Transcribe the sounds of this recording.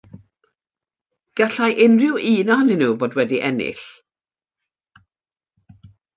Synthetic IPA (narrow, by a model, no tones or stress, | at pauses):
ɡ̥aɬajʔɪnrɪwiːnɔhnɪnuːboːdwɛdiʔɛnɪ̰ɬ